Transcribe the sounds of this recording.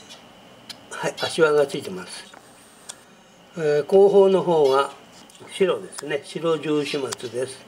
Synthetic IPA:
haiaɕiβaɡat͡sɨit̪e̞masɨ̥ | eko̞ːɦo̞ːno̞ɦo̞ːɡa | ɕiɾo̞d̪e̞sɨne̞ɕiɾo̞ʑɨːɕɨmat͡sɨd̪e̞sɨ̥

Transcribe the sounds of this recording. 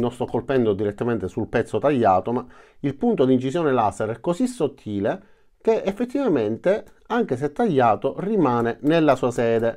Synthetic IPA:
nost̪ɔkːolpɛnd̪od̪iɾet̪ːament̪esulpɛt̪sːot̪aʎːaːt̪oma | ilpunt̪od̪int͡ʃisjɔːnelasːeɾɛkːosisːot̪ʰːiːle | k̟eefːet̪ːivament̪e | aŋk̟es̬eɛt̪ːaʎːaːt̪orimaːnenelːasuːasɛːd̪e

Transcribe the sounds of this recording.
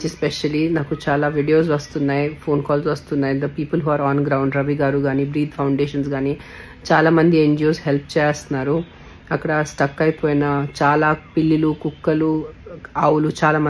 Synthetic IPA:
t͡ʃispeʃɐlinaːkut͡ʃaːlaːʋiːɖijo̞ːs̬ʋɐst̪unːaːjipʰo̞ːnkaːlsʋɐst̪unːaːjid̪ɐpiːpulɦaːɾaːnɡɾɐwɳɖɾɐʋiɡaːɾuɡaːniːbɾiːd̪pʰɐwɳɖeːʃɐnsɡaːni | t͡ʃaːlaːmɐnd̪ieɲd͡ʒijoːsɦe̞lp̚ʰt͡ʃɛːjaːst̪unːaːɾu | ɐkːɐɽɐsʈɐkːɐjipoːjinɐt͡ʃaːlaːpilːilukukːɐlu | aːwulut͡ʃaːlaːmɐ

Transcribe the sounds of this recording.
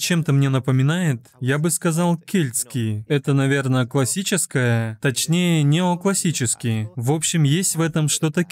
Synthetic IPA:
t͡ɕe̞mt̪əmnʲe̞nəpəmʲɪnajɪt̪jabɨskɐzalˠkʲelʲt̪skʲɪjɛt̪ənɐvʲe̞rnəklˠɐsʲit͡ɕɪskəjət̪ɐt͡ɕnʲejənʲɪoklˠɐsʲit͡ɕɪskʲɪjvo̞pɕːɪmjesʲtʲvɛt̪əmʂt̪o̞t̪ə

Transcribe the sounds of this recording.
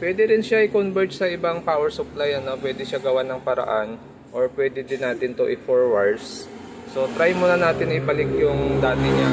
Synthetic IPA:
pwɛːd̪ɛɾɪnʃaʔɪkonvɛɹt̪sɐʔɪbaŋpaːwɛɹsʊplajɐno̞pwɛːd̪ɛʃaɡɐwanɐŋpɐɾɐ̰ʔan | ʔoɹpwɛːd̪ɛd̪ɪnaːt̪ɪnt̪oʔɪfoɹwaɹs | so̞t̪ɾajmonɐnaːt̪ɪnːɐɪpɐlɪk̚jʊŋd̪aːt̪ɪɲa

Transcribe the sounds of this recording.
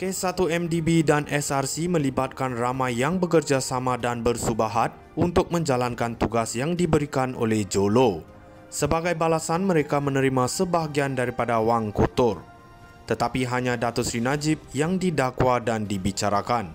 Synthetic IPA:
kesat̪uɛmdibidanɛsarsimə̃libat̪̚kanramãjːaŋbəkərd͡ʒasamãdanbərsubaɦat̪̚unt̪ʊk̚mə̃ɲd͡ʒalankant̪uɡasjaŋdibəɾikanʔo̰lɛhd͡ʒolo | səbaɡajbalasanmə̃ɾekamə̃nə̃ɾimasəbaɦaɡiandaɾipadawaŋkot̪ʊr | t̪ət̪apiɦaɲãdat̪osɾinad͡ʒɪp̚jaŋdidakwadandibit͡ʃaɾakan

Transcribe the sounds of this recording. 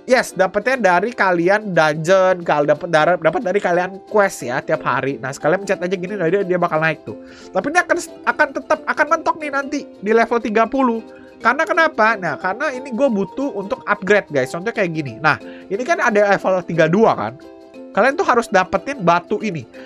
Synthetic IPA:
jɛsdapət̪ɲadaɾikaliandaɲd͡ʒənkaldapət̪̚daɾədapət̪̚daɾikaliankwɛstjast̪iap̚ha̰ɾina̰hsə̥kaliaməɲt͡ʃaat̪ad͡ʒaɡinidaɾiadiabakalnaɪk̚t̪ʊ̰ | t̪apiniakan | akant̪ət̪əp̚akanmənt̪ɔk̚nɪhnant̪idilɛfəlt̪iɡapulʊh | karnakənapanakaɾənainiɡuabut̪uunt̪ʊkap̚ɡɾet̪̚ɡajst͡ʃɔnt̪ʊɲkajaʔɡininahinikanadalɛfəlt̪iɡaduaka̰n | kaliant̪uɦaɾʊsdapət̪ɪnbat̪uʔini

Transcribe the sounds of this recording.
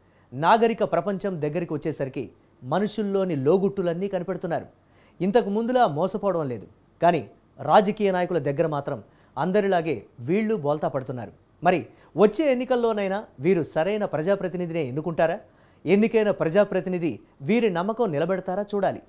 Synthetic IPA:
naːɡɐɾikɐpɾɐpɐɲt͡ʃɐmd̪ɐɡːɐɾikiʋɐt͡ʃːɛːsɐɾikḭ | mɐnuʂulːo̞ːnilo̞ːɡuʈːulɐnːiːkɐnipeɽut̪unːaːɾu | int̪ɐkumund̪ulaːmɔːsɐpɔːɽɐʋɐnle̞ːd̪u | kaːnḭ | ɾaːd͡ʒɐkiːjɐnaːjɐkulɐd̪ɐɡːɐɾɐmaːt̪ɾɐm | ɐnd̪ɐɾilaːɡe̞ːʋiːɭːubɔːlt̪aːpɐɽut̪unːa̰ːɾu | mɐɾi | ʋot͡ʃːe̞ːenːikɐlːo̞ːnɐjnaʋiːɾusɐɾɐjnɐpɾɐd͡ʒaːpɾɐt̪inid̪ine̞ːend̪ukuɳʈaːɾaː | e̞nːikɐjnɐpɾɐd͡ʒaːpɾɐt̪inid̪i | ʋiːɾinɐmːɐkɐmnilɐbɐɽɐt̪aːɾaːt͡ʃuːɽaːlḭ

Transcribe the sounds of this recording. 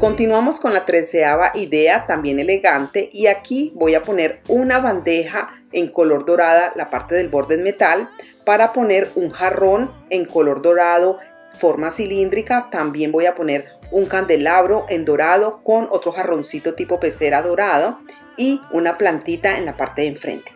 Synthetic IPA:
ko̞nt̪inwamo̞sko̞nlat̪ɾe̞seaβaʔiðe̞at̪ambje̞ne̞le̞ɣant̪e̞ʔiakibo̞japo̞ne̞ɾunaβand̪e̞ha | eŋko̞lo̞ɾd̪o̞ɾaðalapaɾt̪eðe̞lbo̞ɾd̪eðme̞t̪al | paɾapo̞ne̞ɾuŋxaro̞ne̞ŋko̞lo̞ɾd̪o̞ɾaðo̞ | fo̞ɾmasilind̪ɾikat̪ambje̞mbojapo̞ne̞ɾ | uŋkand̪e̞laβɾo̞ʔe̞nd̪o̞ɾaðo̞ko̞no̞t̪ɾo̞xaro̞nsit̪o̞t̪ipo̞pe̞se̞ɾaðo̞ɾaðo | iunaplant̪it̪aḛnlapaɾt̪e̞eɱfɾḛnt̪e̥

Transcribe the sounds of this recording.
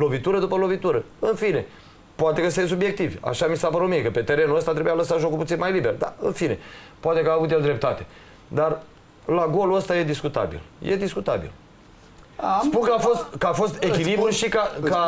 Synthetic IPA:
lo̞vit̪uɾəd̪upəlo̞vit̪uɾəɨnfine̞ | poat̪e̞kəsejs̬ubje̞k̚t̪ivʲa̰ʃamisapəɾomiekəpe̞t̪e̞ɾe̞nuəst̪at̪ɾebujaləsat̪ʒo̞kulput̪sinmajliberd̪a̰ɨnfine̞̰poat̪e̞kəaːvut̪̬jeld̪ɾe̞p̚t̪at̪e̞ | d̪ar | laɡo̞luəst̪aje̞d̪iskut̪a̰bḭljʔed̪iskut̪abḭl | spuŋkəafo̞st̪kəafo̞st̪ekʲilibɾulʃikaka

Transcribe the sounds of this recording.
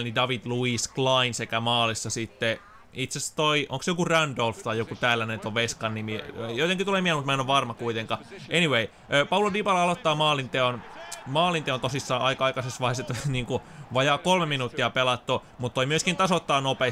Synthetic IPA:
nidɑʋid̪̥luisklɑinsekæmɑːlisːɑsit̪ːe | it̪sest̪oiʔo̰ŋksjokurændolft̪ɑjjokut̪æːlːænet̪oʋʋeskɑnːimiejot̪eŋkit̪ulemiæmut̪mæenoʋʋɑrmɑkuit̪eŋkɑʔeniʋei | øːpɑulodipɑlɑɑlot̪ːɑːmɑːlint̪eonmɑːlint̪eont̪osisːɑːʔɑikɑkɑsesʋɑheset̪niːŋkuʋɑjɑːkolmeminut̪ːiɑpelɑt̪ːu | mut̪toimyøskint̪ɑsot̪ːɑːnope

